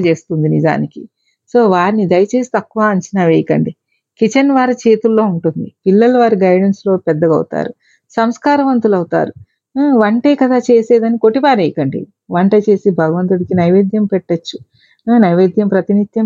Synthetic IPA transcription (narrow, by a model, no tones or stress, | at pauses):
t͡ʃe̞ːst̪und̪inid͡ʒa̰ːniki | so̞ːʋaːɾnid̪ɐjɐt͡ʃe̞ːsi̥t̪ɐkːuʋaːɐɲt͡ʃinaːʋejɐkɐ̰ɳɖi | kit͡ʃɐnʋaːɾɐt͡ʃe̞ːt̪ulːo̞ːuɳʈund̪ipilːɐlʋaːɾiɡɐjɽenslo̞ːpɛd̪ːɐɡɐ̰wt̪a̰ːɾu | sɐmskaːɾɐʋɐnt̪ulɐwut̪a̰ːɾu | ʋɐɳʈɐjkɐd̪aːt͡ʃe̞ːseːd̪ɐnikoʈːipaːɾejikɐɳɖḭ | ʋɐɳʈɐjt͡ʃe̞ːsibʱɐɡɐʋɐnt̪uɽikinɐjʋeːd̪jɐmpɛʈːɐt͡ʃːu | nɐjʋeːd̪jɐmpɾɐt̪inid̪ʱjɐm